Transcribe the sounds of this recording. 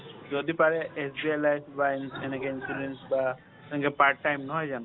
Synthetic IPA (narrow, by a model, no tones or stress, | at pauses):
zɔd̪ipaɾɛʔesbiajlajfʰbanenekɛinsiɖensba | tɛ̃ŋkɛpaɾʈːajmnɔɦɔjzanɔ